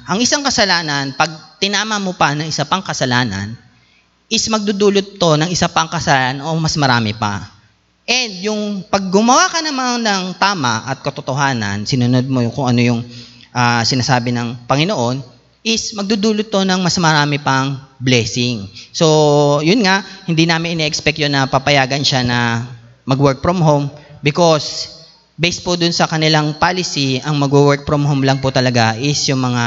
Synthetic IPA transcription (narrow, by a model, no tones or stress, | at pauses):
ʔɐŋɪsaŋkɐsɐlaːnɐnpɐɡ̚t̪ɪnaːmɐmopɐnɐŋɪsapɐŋkɐsɐlaːnɐ̰n | ʔɪsmɐɡ̚d̪ud̪uːlot̪̚ːo̞nɐŋɪsapɐŋkɐsɐlanʔo̞mɐsmɐɾaːmɛpɐ̰ | ʔɛnd̪jʊŋpɐɡ̚ːʊmɐwakɐnɐmanːɐŋt̪aːmɐʔɐt̪̚kɐt̪ot̪oɦaːnɐ̰nsɪnʊnod̪̚mo̞kʊŋɐno̞jʊŋʔaːsɪnaːsaːbɪnɐŋpɐŋɪno̞ʔo̞n | ʔɪsmɐɡ̚d̪ud̪uːlot̪̚ːonɐŋmɐsmɐɾaːmɪpɐŋblɛːsɪŋso̞jʊnŋaʔhɪnd̪inaːmɪnʔɪnɛʔɛkspɛk̚t̪jonːɐpapɐjaːɡɐnʃanɐ | mɐɡwɛɹk̚fɾomɦowmbɪko̞s | bɛjspod̪ʊnsɐkɐnɪlaŋpaːlɪsiɐŋmɐɡwuwɛɹk̚pɾomɦomlɐŋpʊt̪ɐlɐɡaʔɪsjʊŋmɐŋa